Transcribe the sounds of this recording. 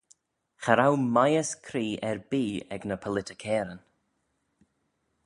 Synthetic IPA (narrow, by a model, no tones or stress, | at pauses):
xaɾawmajəskʰɾiːɛɹbiːɛ̰ɡnəpʰəlɪtəkʰɛːɾən